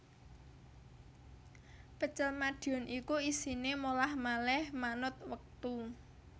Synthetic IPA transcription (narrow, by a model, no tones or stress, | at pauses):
pət͡ʃəlmad̥iɔ̤nʔikuisinemolahmalɛhmanʊt̪̚wək̚t̪u